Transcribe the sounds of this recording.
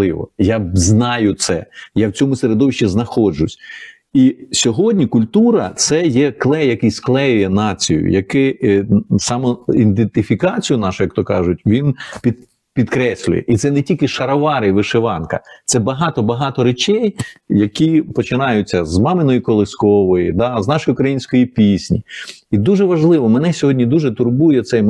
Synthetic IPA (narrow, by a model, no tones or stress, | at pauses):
ɪʋɔ̰jaznɑjʊt̪sɛ̰jawt͡sʲɔmʊseɾed̪ɔʋɪʃt͡ʃɛznɐxɔd͡ʒʊsʲ | isʲɔɦɔdʲnʲikʊlʲt̪uɾɐt̪sɛjɛklˠɛjɐkɪsklˠɛjʊjɛnɑt͡sʲijʊ̰jɐkɪ | sɑmɔind̪ent̪ɪfʲikɑt͡sʲijʊnɑʃʊjɐkt̪ɔkɑʒʊt̚ʲʋʲinpʲi | pʲid̪kɾɛsʲlʲʊ̰jɛ̰ʔit̪sɛnetʲilʲkɪʃɐɾɐʋɑɾɪʋɪʃeʋɑnkɐ̰t̪sɛbɐɦɑt̪ɔbɐɦɑt̪ɔɾet͡ʃɛjjɐkʲipɔt͡ʃɪnɑjʊt͡sʲːɐzmɑmɪnɔjikɔlˠɪskɔʋɔjid̪ɑznɑʃɔjʊkɾɐjinʲsʲkɔjipʲisʲnʲḭid̪uʒɛʋɐʒlˠɪʋɔmɛnɛsʲɔɦɔdʲnʲid̪uʒɛt̪ʊrbujɛt̪sɛ